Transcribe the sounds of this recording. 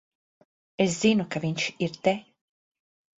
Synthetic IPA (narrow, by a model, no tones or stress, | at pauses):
es̬z̥inukaviɲʃiɾt̪ɛ